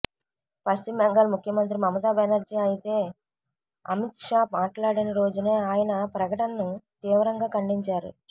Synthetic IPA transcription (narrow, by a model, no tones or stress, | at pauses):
pɐstimːeŋɡɐlmukʰjɐmɐnt̪ɾimɐmɐt̪aːbenɐɾd͡ʒiːɐjit̪e̞ː | ɐ̰mit̪ʂaːmaːʈlaːɽinɐɾo̞ːd͡ʒune̞ːaːjɐnɐpɾɐkɐʈɐnɐnut̪iːʋɐɾɐŋɡaːkɐɳɖiɲt͡ʃaːɾṵ